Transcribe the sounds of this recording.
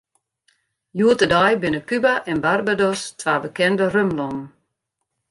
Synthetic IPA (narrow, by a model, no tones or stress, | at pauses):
juətədajbɪnəpybaʔɛnbarbadɔstʰʋaːbəkɛndərømlɔn